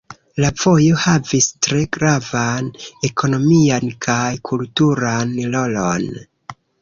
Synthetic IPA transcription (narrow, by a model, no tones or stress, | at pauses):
lavo̞jo̞havistɾe̞ɡɾavane̞kʰo̞no̞miankʰajkʰultuɾanlo̞lo̞n